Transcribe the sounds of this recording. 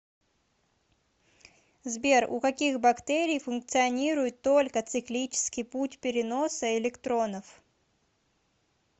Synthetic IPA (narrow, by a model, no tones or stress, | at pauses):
zbʲe̞rʊ̰kɐkʲixbɐkt̪ɛɾʲɪjfʊnk̚t̪sɨɐnʲiɾʊjɪt̪ːo̞lʲkət̪sɨklʲit͡ɕɪ̥skʲɪjputʲpʲɪɾʲɪno̞səɪlʲɪkt̪ɾo̞nəf